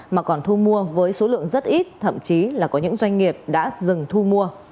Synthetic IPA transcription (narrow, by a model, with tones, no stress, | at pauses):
maː˨˩kɔ˨˩nt̪ʰu˧mu˧əvəː˨˦jso˨˦lɨ̰˧˨əŋzə˦˥t̚ʔi˦˥t̚t̪ʰə̰˧˨mt͡ɕi˨˦laː˨˩kɔ˨˦ɲɨ̰˧˥ŋzwa˧jŋ̟ŋi˨˩əp̚ɗa̰ː˧˥zɨ˨˩ŋt̪ʰu˧mu˧ə